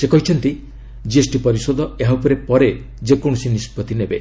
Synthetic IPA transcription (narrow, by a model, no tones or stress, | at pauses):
sekɔɦit͡ʃʰɔnt̪i | d͡ʒiesʈipɔɾisod̪ɔeɦapɔɾepɔɾe | d͡ʒekoɽ̃ɔsinispɔt̪inebe